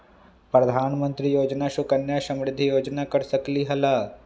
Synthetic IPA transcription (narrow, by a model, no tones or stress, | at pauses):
pɾɐd̪ʱaːnmə̃nt̪ɾijoːd͡ʒnaʃʊkɐnjaʃɐ̃mɾɪd̪ʱːijoːd͡ʒnakɐɾsɐkliɦɐlaː